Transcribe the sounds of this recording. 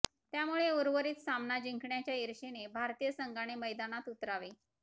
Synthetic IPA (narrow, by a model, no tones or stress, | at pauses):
t̪jamuɭeuɾʋəɾiːt̪samnad͡ʑiŋkɳjat͡ɕjaiɾɕenebʱaɾt̪ijəsəŋɡaɽ̃eməjd̪anat̪ut̪ɾaʋe